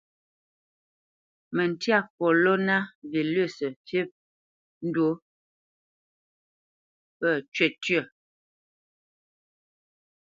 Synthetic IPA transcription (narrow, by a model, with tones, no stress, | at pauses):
mə˨n˨tja˦˨kɔ˨lɔ˦na˦vi˨lə˦˨sə˨fi˦p̚ | n̩˦dwo˦ | pə˦˨t͡ʃɥɛ˦˨tɥə˦˨